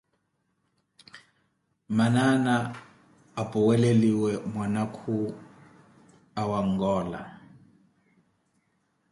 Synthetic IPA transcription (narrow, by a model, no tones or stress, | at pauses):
mananaː | pʼuwɛleliwɛmwanakʰu | awaŋɡɔːla̰